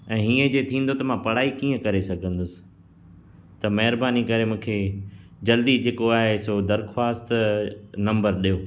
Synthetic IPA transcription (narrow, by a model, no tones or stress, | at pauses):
ɛ̃ːɦiːə̃d͡ʑeːt̪ʰĩːnd̪ot̪ɐmãpɐɽ̤aːikĩːə̃kɐɾesɐɡʱə̃nd̪ʊsɪ̥̆ | t̪ɐmɐɦɪɾbaːnikɐɾemũːkʰe | d͡ʑɐld̪id͡ʑeːkoaːɦesod̪ɐɾxwaːst̪nɐ̃mbəɾɗijoː